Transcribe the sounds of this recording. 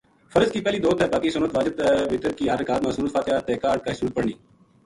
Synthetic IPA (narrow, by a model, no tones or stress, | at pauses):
fəɾəzkiːpɛːliːd̪oːt̪ʰɛːbaːkiːsʊnət̪ʋaːd͡ʒət̪ɛʋɪt̪əɾkiːaːɾəkaːd̪mãːsuːnət̪faːt̪ɪjaːt̪eːkaːɾʈ̚kaːɪsuːt̪̚pəɽɳiː